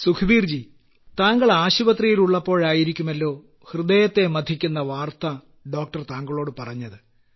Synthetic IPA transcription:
sukʰɐbiːrd͡ʑi | t̪aːŋɡɐɭaːɕubɐt̪rijiluɭːɐpːo̞ːɻaːjiɾikʲːumɐlːo̞ː | hrɨd̪ejɐt̪ːe̞mɐd̪ʱikʲːunːɐʋaːrt̪ɐ | ɖo̞ːk̚ʈɐrt̪aːŋɡɐɭo̞ːɽɨpɐrɐɲːɐðɨ

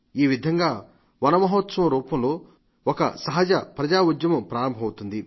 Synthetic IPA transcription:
iːʋid̪ʱɐŋɡaː | ʋɐnɐmɐɦoːt̪sɐmɐɾuːpɐmlo̞ː | ɔkɐ̰sɐɦɐd͡ʒɐpɾɐd͡ʒaːud̪jɐmɐpɾaːɾɐmbʱɐwut̪und̪i

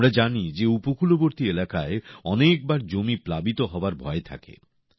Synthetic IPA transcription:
ɾad͡ʑanid͡ʑeupokʰuloboɾt̪ielakaeɔnek̚baɾd͡ʑomiplabit̪oɦɔoaɾbʱɔet̪ʰa̰kḛ

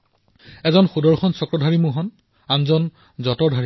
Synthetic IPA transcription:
ɛzɔnxudɔɹxʰɔnsɔkɹɔdʱaɹimuɦɔn | anzɔn | zɔtɔdʱaɹi

